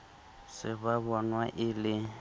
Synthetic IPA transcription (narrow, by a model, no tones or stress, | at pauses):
sɪβaβɔnwaʔɪlɪ